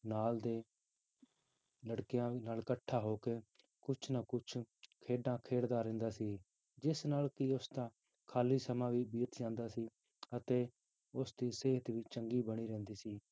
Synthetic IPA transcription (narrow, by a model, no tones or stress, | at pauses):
naːld̪eː | ləɽkɪjãːnaːlkəʈʰːaːɦoːkeː | kʊt͡ʃʰnakʊt͡ʃʰkʰeːɖãːkʰeːɽd̪aːɾɛ̃ːnd̪aːsiː | d͡ʒɪsnaːlkɪʊst̪ãː | kʰaːliːsəmãːʋiːbiːt̪d͡ʒãːnd̪aːsiː | ət̪eː | ʊsd̪iːseːɦt̪ʋiːt͡ʃəŋɡiːbəɽ̃iːɾɛ̃ːnd̪iːsiː